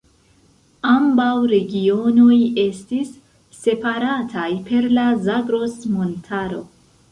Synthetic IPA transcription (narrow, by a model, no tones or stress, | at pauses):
ambawɾe̞ɡio̞no̞je̞stisː | e̞paɾatʰajpe̞ɾlazaɡɾo̞smo̞ntʰaɾo̞̰